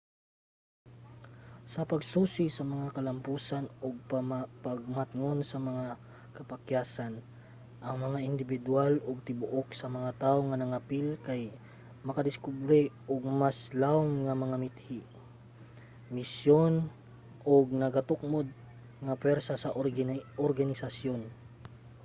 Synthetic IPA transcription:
sɐpɐɡsuːsɪsɐmɐŋakɐlɐmpuːsanoɡ̚ppaɡ̚mat̪ŋonsɐmɐŋa | kɐpakjaːsan | ʔɐŋmɐŋaʔɪnd̪ɪbɪd̪waloɡ̚t̪ɪbʊʔoksɐmɐŋat̪aːʔoŋɐnɐŋapilkaj | mɐkad̪ɪskubɾɛʔoɡ̚maslawmŋamɐŋamɪt̪hiʔ | mɪsjon | ʔoɡ̚nɐɡat̪ʊk̚mod̪̚ | ŋɐpwɛɾsasɐʔʔoɾɡanɪsasjon

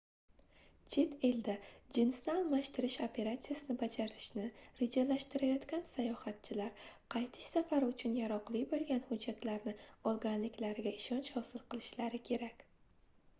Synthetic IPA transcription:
d͡ʒʰet̪ʰeld̪ad͡ʒɪnsnɪalˠmaʃt̪ɪɾɪʃopʰe̞ɾat̪sijasɪnɪbad͡ʒaɾɪʃnɪɾed͡ʒalaʃt̪ɪɾajɒt̪kʲansajɒhat̪̚t͡ʃʰɪlaɾqʰɑjt̪ʰɪ̥ʃsafaɾɪʊt͡ʃʰʊnjaɾɒqlˠijbolˠɡʲanhʊd͡ʒːat̪laɾnɪɒlˠɡʲanlɪkʲlaɾɪɡʲaɪʃɒnt͡ʃhɒsɪlˠqʰɨlˠɪʃlaɾɪkʲʰe̞ɾakʲ

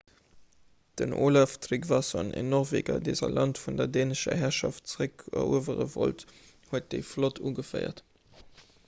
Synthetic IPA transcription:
d̥ənʔoːlaftʁikvɑsonʔḛnɔʁveːɡɐdezɐlɑntfundɐdeːnəʃɐ̰ɦæɐʃɑft̚t͡səʁəkɐuəvəʁəvo̰lt | huət̚d̥eɪflotʰuːɡəfɜɪɐ̰t

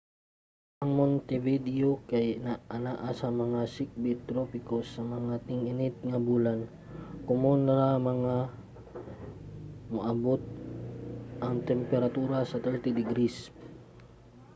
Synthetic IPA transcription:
ʔɐŋmont̪ɛvid̪ɪokajnaʔɐnaʔasɐmɐŋasɪk̚bɪt̪ɾopɪkosɐmɐŋat̪ɪŋɪnɪt̪̚ŋabuːlan | kʊmonaɾamɐŋa | maʔabot̪̚ | ʔɐŋt̪ɛmpɛɾat̪uːɾasɐt̪ɛɹt̪id̪ɪɡɾis

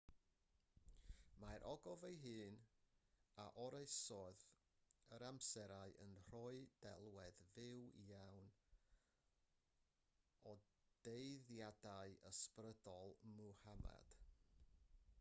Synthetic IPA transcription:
maɾʔɔɡɔvejɦɨːn | aʔɔɾeɨsɔð | əɾamsɛɾaɨʔənr̥ɔɨd̥ɛlˠwɛðvɪwḭjawn | ɔ | d̥eɨðjadaɨəsprədɔlˠmuhama̰d̥

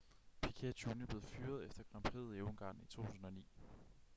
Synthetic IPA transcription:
pʰikʰet͡sʰunəb̥le̝ːð̩ˠfyːɐð̞̩ˠefd̥ɐɡ̥ʁɑ̈mpʰʁe̝ð̩ˠeʊŋɡ̥ɑ̰̈ːnit͡sʰo̝̰ːt͡sʰṵsn̩ɒ̽nḭː

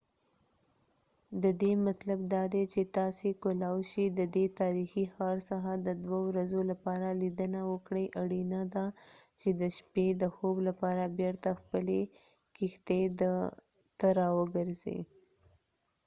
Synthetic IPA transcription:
d̪əd̪emat̪lab̚d̪ɑd̪et͡ʃet̪ɑsekolɑwʃid̪əd̪et̪ɑɾixixɑɾsaxad̪əd̪wawɾazolapɑɾalid̪ənawəkɽəjʔaɽinad̪at͡ʃed̪əʃped̪əxoblapɑɾabeɾt̪axpəle | kixt̪ed̪ə | t̪əɾɑwəɡəɾzḛ

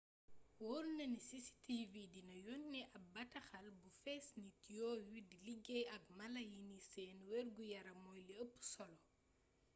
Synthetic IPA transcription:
wɔɾnɐnisisi̥tividinɐjɔnːɛʔɐbɐtɐxɐlbufɛsnitjɔːwidiliɡɛjɐk̚mɐlɐjinisɛːnwɛɾɡujɐɾɐmɔjliəpːu̥sɔlɔ

